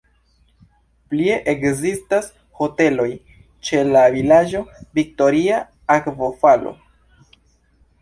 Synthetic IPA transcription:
plie̞ʔekzistas | ho̞te̞lo̞j | t͡ʃe̞lavilad͡ʒovik̚to̞ɾia | akvo̞falo̰

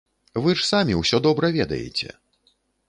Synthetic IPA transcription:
vɨʂsamʲiwsʲɔd̪ɔbɾɐvʲɛd̪ɐ̰jɛ̰t͡sʲɛ̰

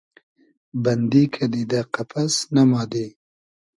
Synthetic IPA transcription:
band̪ikʰad̪id̪aqapʰasnamɑːd̪e

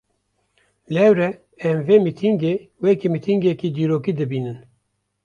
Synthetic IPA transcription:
lɛwɾɛ | ɛmveːmit̪ʰiŋɡeːwekimit̪ʰiŋɡekiːd̪iːɾoːkiːd̪ɨbiːnɨn

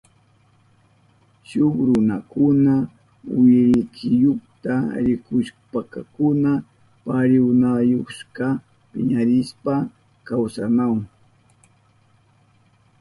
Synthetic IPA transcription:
ʃʊχɾʊnakʊna | wɪɾɪt͡ʃɪjokt̪aɾɪkʊʃpaka̰kʊna | paɾɪwnajoχʃka | pɪɲaɾɪspa | kawsanaw

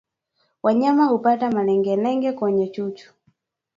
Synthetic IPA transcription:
waɲamahupatamalɛŋɡɛnɛŋɡɛkwɔɲɛt͡ʃuːt͡ʃʰu̥

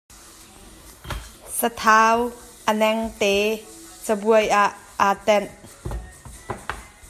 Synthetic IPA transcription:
sət̪ʰaw | ʔənɛŋt̪et͡səbuəjʔaʔːat̪ɛn

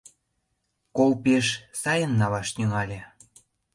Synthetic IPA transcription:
kolpeʃsɑjənːɑβɑʃnʲyŋɑlʲe

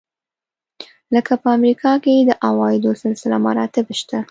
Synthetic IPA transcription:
ləkapəamɾikʰɑked̪əʔawɑjɪd̪osɪlsɪlamaɾɑt̪ɪbʃt̪a

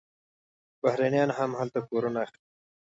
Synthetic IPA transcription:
b̥ahɾanjɑnɦamhalt̪akoɾunaːx | i

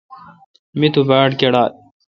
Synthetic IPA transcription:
mit̪ubaːɖkeɽaːl̚

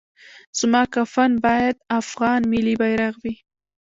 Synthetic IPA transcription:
z̥mɑkafanbɑjad̪afɣɑnmɪlibajɾaɣwi

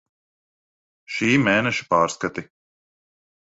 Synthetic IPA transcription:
ʃiːmeːnɛʃi̥paːɾskat̪i

